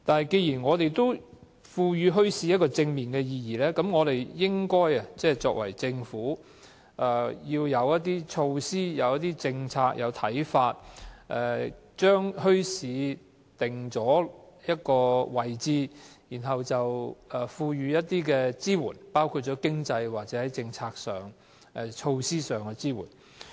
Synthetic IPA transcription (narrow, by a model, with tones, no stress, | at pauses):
t̪aː˨nɦɐ˨˩jke˧jiː˨˩nŋɔː˨˧t̪e˨jt̪o˥w | fuː˧jyː˨˧ɦɵ˥ɥsi˨˧˥jɐ˥t̚kɔː˧t͡sɪ˧ŋmiː˨˩nkɛː˧jiː˧jiː˨˩lɛː˥kɐ˨˥mŋɔː˨˧ɾe˨jjɪ˥ŋkɔː˥jɐ˨t͡sɛː˥t͡sɔ̰ː˧k̚wɐ̰˨˩jt͡sɪ˧ŋfuː˨˥ | ʔa˨˩jiː˧wjɐ˨˧wjɐ˥t̚t̪iː˥t͡ʃʰo˧wsiː˥jɐ˨wjɐ˥t̪̚iː˥t͡sɪ˧ŋt͡sʰaː˧k̚jʔɐ˨˧wt̪ʰɐ̰˨˥jfaː˧t̚ʔɛː˨˩ | t͡ʃœː˥ŋhɵ˥ɥsiː˨˧ | t̪ɪ˨˩ŋt͡sɔː˨˥jɐ˥t̚kɔː˧wɐ˨jt͡siː˧jiː˨˩nɦɐ˨wt͡sɐ˨wɛː˨˩fuː˧jyː˨jɐ˥t̚t̪iː˥kɛː˧t͡siː˥wṵː˨˩npaː˥wkʰuː˧t̚t͡ʃɔ˨˥kɪ˥ŋt͡sɐ˧jwaː˨˩t̚t͡sɛː˨˥hɐ˨˥jt͡sɪ˧ŋt͡sʰaː˧k̚sœː˨˩ŋ | ʔɛ˧t͡ʃʰo˧wsiː˥sœː˨˩ŋkɛ˧t͡siː˥wṵː˨˩n